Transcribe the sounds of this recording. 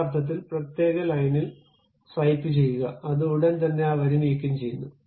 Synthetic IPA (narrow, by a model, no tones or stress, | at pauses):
rt̪ʰːɐt̪̬ːilprɐt̪je̞ːɣɐlɐjnil | srɐjpːɨt͡ɕe̞jːuɣɐɐðɨuɽɐnt̪ɐnːe̞aːʋɐɾumijkʲːumt͡ɕe̞jːunːu